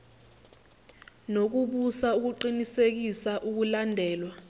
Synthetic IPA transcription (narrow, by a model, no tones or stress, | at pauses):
nok̬uɓusauk̬uǃinisek̬isaʔuk̬ulandʱɛːlwa